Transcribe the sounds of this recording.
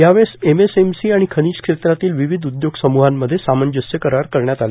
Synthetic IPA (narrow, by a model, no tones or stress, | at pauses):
jaʋɭsemesemsiaɽ̃ikʰəñiːɕkʂet̪ɾat̪iːlʋiʋid̪ʱud̪joɡsəmuɦamːəd̪ʱːjesamənd͡ʑəsjəkəɾaɾkəɾɳjat̪ale